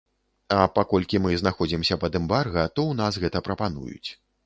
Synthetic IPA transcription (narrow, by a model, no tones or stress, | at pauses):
ɐpakɔlʲkʲimɨznaxɔd͡zʲimsʲɐpɐd̪ɛmbarɣɐt̪ɔwnasɣɛt̪ɐpɾɐpanṵjṵt͡sʲ